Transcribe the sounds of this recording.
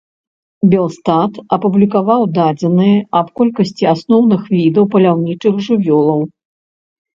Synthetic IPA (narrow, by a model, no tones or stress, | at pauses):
bʲɛlˠst̪at̪ɐpublʲikavawd̪ad͡zʲɛnɨjɛɐpkɔlʲkɐsʲt͡sʲiasnɔwnɨxvʲid̪ɐwpɐlʲawnʲit͡ʂɨxʐɨvʲɔlˠɐw